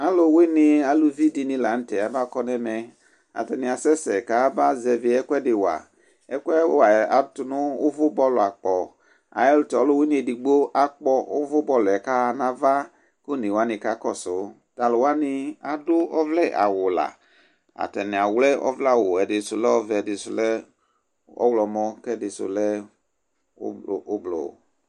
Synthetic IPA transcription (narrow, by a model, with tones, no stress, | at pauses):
a˦lʊ˦wɪ˦nɪ˧a˨lu˨vi˦di˨nĩ˧la˨˦n̩˦tɛ˨a˨ba˦kɔ˦nɛ˦mɛ˨ | a̰˨tɛ˨nɪ̃˨a˨sɛ˦sɛ˨ka˦ba˦zɛ˨vɪ˨ɛ˦kɛ˦dɪ˨wa̰˨ | ɛ˦kʷɛ˦wa˨a˨˦tʊ˨nʊ˦ʊ˦vʊ˦bɔ˦lʊ˨a˨k͡pɔ˨ | a̰˨ɛ˦lʊ˦tɔ˨ɔ˨˦lʊ˦wi˦nĩ˨˦e˨di˨ɡ͡bo˦ʔa˦k͡pɔ˦ʊ˦vʊ˦bɔ˦lʊ˨ɛ˨ka˦˨nã˦va˦ | kʊ˦˨ni˨wa˦ni˨ka˦kɔ˦˨sʊ˨˦ | ta˨lʊ˨wa˦ni˧a˨dʊ˦ɔ˦vlɛ˦˨ʔa̰˨wʊ˨la̰˨ | a̰˨tɛ˨nĩ˨a˨wlɛ˦ʔɔ̰˦vlɛ˦a˨wo˨ɛ˨dɪ˨sʊ˨lɛ˦ɔ˦vɛ˨dɪ˨sʊ˨lɛ˦ | ɔ̰˦wlɔ˨mɔ̃˦kɛ˦dɪ˨sʊ̰˨lɛ˦˨ | o˦blo̰˨